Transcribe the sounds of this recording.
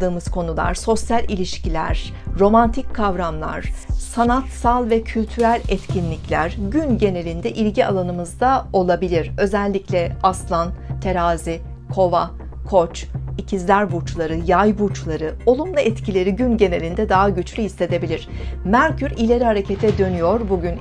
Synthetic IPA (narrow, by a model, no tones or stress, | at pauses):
d̪ɯːmɯzkʰo̞nulˠa̰ɾ̥so̞sjalʲʔilʲiʃcʰilʲæ̰ɾ̥ | ɾo̞mant̪ʰicʰkʰːavɾamlˠa̰ɾ̥sanat̪salˠvɛcʰylʲt̪ʰyɾælʲɛt̪cʰinlʲicʰlʲæ̰ɾ̥ɟynɟe̞ne̞lʲind̪ɛʔilʲɟia̰lˠanɯmɯzd̪ao̞lˠabilʲiɾ̥ø̞zɛlʲːiclʲɛaslˠant̪ʰe̞ɾaːzi | kʰo̞va | kʰo̞t͡ʃicʰizlʲæɾbut͡ʃlˠaɾɯjajbut͡ʃlˠaɾɯo̞lˠumlˠaɛt̪cʰilʲe̞ɾiɟynɟe̞ne̞lʲind̪ɛd̪aɦaɟyt͡ʃlʲyist̪ʰe̞d̪e̞bilʲiɾ̥ | mæɾcʰyɾilʲe̞ɾihaɾe̞cʰe̞t̪ʰɛd̪ø̞nyjo̞ɾbuɟyn